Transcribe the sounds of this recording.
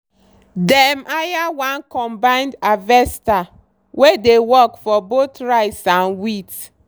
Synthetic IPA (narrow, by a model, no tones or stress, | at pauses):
dɛmajawãnkɔ̃mbãɪ̃ndavɛsta | wedewɔkfɔbot̪ɹaɪsãnwit